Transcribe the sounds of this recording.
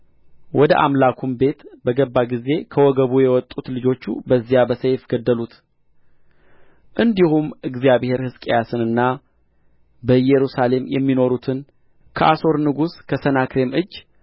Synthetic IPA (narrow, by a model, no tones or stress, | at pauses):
wɔd̪əʔa̰mlakʰumbe̞t̪bəɡəbːaɡize̞kʰəwɔɡəβujɛwɔt̪ʼːut̪lɨd͡ʒo̞t͡ʃːṵbəzːijabəsejfɡ̥əd̪ːəlut̪ | ʔɨnd̪ihumʔɨɡzijaβhe̞ɾhɨskʼejasɨnɨnːa | bəjɛɾusale̞mjɛ̰mːino̞ɾut̪ʰɨn | kʰəʔaso̞ɾnɨɡuskʰəsənakɾe̞mɨd͡ʒː